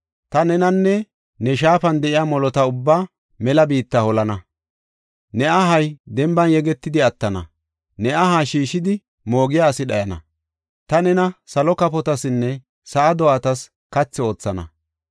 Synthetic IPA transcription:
t̪ɐnɛnɐnːɛ | nɛʃ̬aːfɐnd̪ɛʔɪjamɔlɔt̪ɐʊbːaː | mɛlɐbiːt̪ːɐhɔlɐnɐ | nɛɐɦɐjd̪ɛmbɐnjɛɡɛt̪ːɪd̪ɪɐt̪ːɐnɐ̰ | nɛɐɦaːʃiːʃɪd̪ɪ | mo̞ːɡɪjaːsɪɗɐjɐnɐ̰ | t̪ɐnɛnɐsɐlɔkɐpɔt̪ɐsɪnːɛ | sɐʔːd̪ɔaːt̪ɐs | kɐt͡sːɪo̞ːt͡sːɐnɐ̰

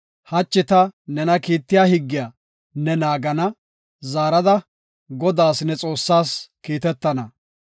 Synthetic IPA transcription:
hɐt͡ʃːɪt̪ɐnɛnɐkiːt̪ːɪjaːhɪɡːɪjaː | nːɛnaːɡɐnɐ | zaːɾɐd̪ɐ | ɡɔd̪aːsnɛt͡sʼo̞ːsːaːskiːt̪ɛt̪ːɐnɐ

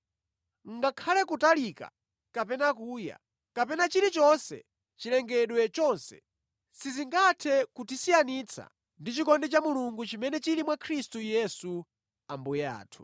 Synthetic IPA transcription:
ŋ̩ɡakʰalɛkutalika̰ | kapɛnakuːja̰ | kapɛnat͡ʃiɾit͡ʃɔnsɛ̰ | t͡ʃilɛŋɡɛɗwɛt͡ʃɔnsɛ̥̰ | siziŋɡatʰɛkutisijanit͡sʰa̰ | ndit͡ʃikɔndɛt͡ʃamuluŋɡut͡ʃimɛnɛt͡ʃiɾimwakʰɾistujɛsu | ambujɛa̰ːtʰu̥

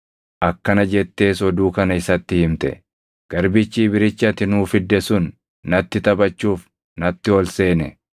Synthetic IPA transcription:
ʔɐkːɐnɐd͡ʒɛt̪ːe̞ːsɔd̪uːkɐnɐɪsɐt̪ːɪhɪmt̪ɛ̰ | ɡ̥ɐɾbɪt͡ʃːiːbɪɾɪt͡ʃːɐt̪ɪnuːfɪd̪ːɛsʊnː | ɐt̪ːɪt̪ɐbɐt͡ʃːuːf | nɐt̪ːɪɔlseːnɛ

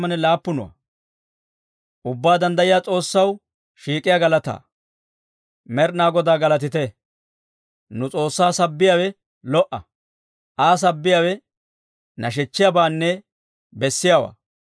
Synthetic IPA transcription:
mɐnɛlaːpːʊnʊwa̰ | ʔʊbːaːd̪ɐnd̪ɐjɪjaːt͡sʼo̞ːsːɐw | ʃiːkʼɪjaːɡɐlɐt̪a̰ː | mɛɾnaːɡɔd̪aːɡɐlɐt̪ɪt̪ɛ | nʊt͡sʼo̞ːsːaːsɐbːɪjaːwɛ | lɔʔɐ | ʔaːs̬ɐbːɪjaːwɛ | nɐʃ̬ɛt͡ʃːɪjabaːnːɛ | bɛsːɪjawa̰ː

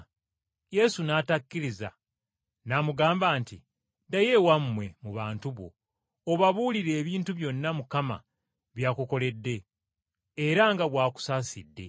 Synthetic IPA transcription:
je̞sunaːtakːiɾiza̰ | namuɡaːmbaːnti | daje̞wamːwe̞muβaːntuβo̞̰ː | βaβuːliɾe̞ːβiːntuβjo̞nːamukama̰ | βjaːkuko̞le̞dːe̞ː | ɾaŋɡaβwaːku̥saːsidːe̞̰

